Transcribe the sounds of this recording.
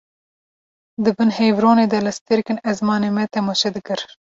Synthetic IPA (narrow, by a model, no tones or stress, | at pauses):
d̪ɨbɨnhejvɾoːneːd̪ɐlɨst̪eɾkɨnɛzmɑːnemɛt̪ʰɛmɑʃɛd̪ɨkɨɾ